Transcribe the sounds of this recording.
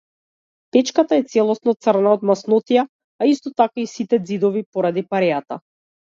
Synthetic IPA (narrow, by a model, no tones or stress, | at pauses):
pɛt͡ʃkat̪aɛt̪sɛlˠɔsnɔt̪srnaɔt̪masnɔt̪ija | aist̪ɔt̪akaisit̪ɛd̪zid̪ɔvipɔɾad̪ipaɾɛjat̪a̰